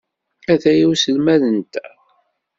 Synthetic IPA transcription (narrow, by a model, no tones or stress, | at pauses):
æθæjiwsəlmæðənt̪æ